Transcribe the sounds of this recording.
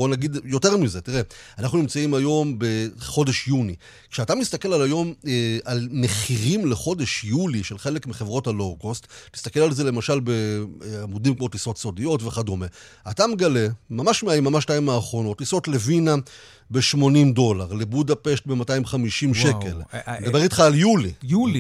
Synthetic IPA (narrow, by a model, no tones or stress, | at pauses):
onaɡidjo̞te̞ʁmizetiʁe̞anaχnunimt͡saimajo̞mbe̞χo̞de̞ʃjuni | kʃeatamist̪ake̞lalajo̞malne̞χiʁimleχo̞de̞ʃjuliʃelχe̞le̞kmiχevʁo̞talokostnist̪ake̞lalze̞le̞maʃalbe̞amudimkmo̞tiso̞tso̞dijo̞tve̞χadome | atameɡale̞mamaʃmeaimːamaʃtaimaːχʁo̞no̞tːiso̞tle̞vina | be̞ʃmo̞nimdo̞laʁle̞budape̞ʃt̚be̞mataimχamiʃimʃʃeke̞lned̪abe̞itχaːljulijul